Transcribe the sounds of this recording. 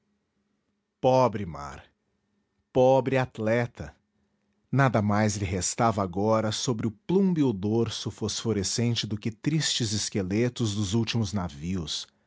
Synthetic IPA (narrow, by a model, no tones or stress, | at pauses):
pɔbɾɪma̰ɾ | pɔbɾɪat̪lɛt̪ɐ | nad̪ɐmajzlɪɦest̪avɐaɡɔɾɐsobɾɪʊplũmbiʊd̪oɾsʊfosfoɾesẽnt͡ʃɪd̪ʊkɪt̪ɾist͡ʃɪzɪskelet̪ʊzd̪ʊzuwt͡ʃimʊznaviʊs